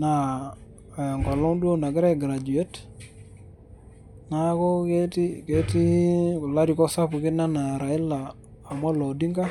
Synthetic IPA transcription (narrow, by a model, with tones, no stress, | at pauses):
na˨ | ja˨ŋɡɔ˨lɔ˦ŋdu˦o˦na˨ɡɪ˦ɾɛ˦ɡɾa˨d͡ʒu˨e˦t | na˦kɔ˦ke˦ti˦ke˨ti˦kʊ˨la˦ɾi˨kɔ˦sa˦pu˨kɪ˦na˦na˨ɾa˨ɪ˦laː˨ | mɔ˦lo˨di˦ŋɡa˦